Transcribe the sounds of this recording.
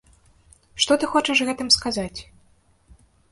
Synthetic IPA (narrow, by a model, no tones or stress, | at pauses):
ʂt̪ɔt̪ɨxɔt͡ʂɐʂɣɛt̪ɨmskazat͡sʲ